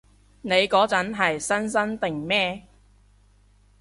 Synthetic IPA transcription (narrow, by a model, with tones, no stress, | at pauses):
ne˨˧jkɔː˨˥t͡sɐ˨˥nɦɐ˨jsɐ˥ns̬ɐ˥nt̪ɪ˨ŋmɛː˥